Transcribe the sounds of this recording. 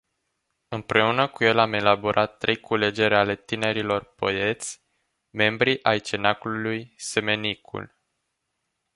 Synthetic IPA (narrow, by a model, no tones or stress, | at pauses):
ɨmpɾe̞unəkuje̞lame̞laboɾʔat̪ːɾe̞jkʰule̞d͡ʒe̞ɾʲale̞t̪ine̞ɾilo̞rpo̰e̞t̪sʲ | me̞mbɾiʔajt͡ʃe̞nakululujse̞me̞nikʰṵl